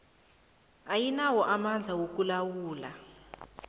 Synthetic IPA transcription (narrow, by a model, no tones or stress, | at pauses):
ajinawɔʔamand͡ɮʱawok̬ulawuːla